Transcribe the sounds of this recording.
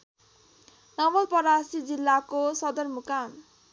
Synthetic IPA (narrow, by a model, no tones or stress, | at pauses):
nʌmʌlpʌɾasid͡zilːakosʌd̪ʌrmukan